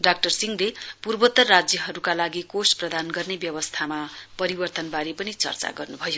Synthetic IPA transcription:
ɖak̚ʈʌrsiŋlepurbʌt̪ːʌrːad͡zjʌɦʌɾukalaɡikosprʌd̪ʱanɡʌrnebjʌbʌst̪ʰamapʌɾibʌrt̪ʌnbaɾepʌnit͡sʌ̰rt͡sa̰ɡʌrnubʱʌjo

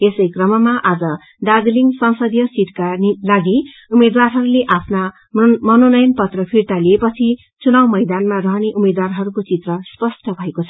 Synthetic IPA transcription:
esʌjkrʌmʌmaʔad͡zʌ | ɖaɡliŋsʌnsʌd̪jʌsiʈkalaɡi | umed̪warɦʌɾuleʔapʰna | mʌnonʌjʌnpʌt̪rʌpʰirt̪aliepʌt͡sʰi | t͡sunawmʌjd̪anmarʌɦʌneʔumed̪warɦʌɾukot͡sit̪rʌspʌsʈʌbʱʌekot͡sʰʌ

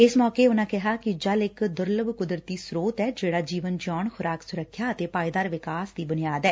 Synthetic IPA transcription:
ɪsmɔːkeːʊnãːkɪɦaːkɪd͡ʒəlɪkd̪ʊɾləbkʊd̪ɾt̪iːsɾoːt̪ɛːd͡ʒeːɽaːd͡ʒiːʋənd͡ʒɔːnxʰʊɾaːksʊɾəkʰjaːət̪eːpaːid̪aːɾʋɪkaːsd̪iːbʊnɪjaːd̪ɛː

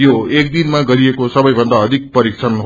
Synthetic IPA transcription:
joek̚d̪inmaɡʌɾiekosʌbʌjbʱʌnd̪aʌd̪ʱik̚pʌɾik̚t͡sʰʌnɦ

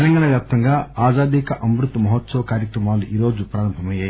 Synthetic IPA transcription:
ɛlɐŋɡaːɳɐʋjaːp̚t̪ɐŋɡaːaːzaːd̪ikɐʔɐmɾut̪ːɐmɐɦɔt̪sɐʋɐkaːɾjɐkɾɐmaːluʔiːɾo̞ːd͡ʒupɾaːɾɐmbʱɐmɐjaːj

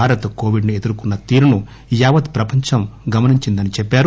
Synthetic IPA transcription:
aːɾɐt̪ɐko̞ːʋiɖnie̞d̪uɾukunːɐt̪iːɾunu | jaːʋɐd̪pɾɐpɐɲt͡ʃɐmɡɐmɐniɲt͡ʃind̪ɐnit͡ʃɛpːaːɾu

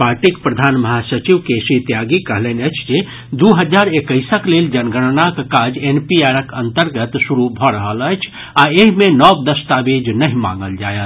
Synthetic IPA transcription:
paɾʈikpɾəd̪ʱanməɦasət͡ʃiʋkesit̪jaɡikəɦlenəjt͡ʃʰd͡ʒe | d̪uɦəd͡ʒaɾekəɪsəkleld͡ʒənɡəɽnakkad͡ʒenpiaɾəkənt̪əɾɡət̪suɾubʱɔɾəɦələjt͡ʃʰ | aeɦmenɔbd̪əst̪abed͡ʒnəɦima̰ŋɡəld͡ʒajət̪ʰ

